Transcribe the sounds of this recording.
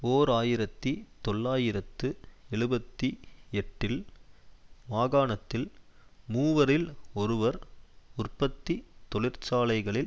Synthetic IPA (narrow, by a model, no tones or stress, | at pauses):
oːɾaːjɪɾɐt̪ːit̪ɔɭːaːjɪɾɐt̪ːɯɛɻɯbɐt̪ːiɛʈːɪl | maːɣaːɳɐt̪ːɪlmuːʋɐɾɪlɔɾɯʋɐɾʊrpːɐt̪ːit̪ɔɭɪɾt͡ʃaːlɐɪɣɐɭɪl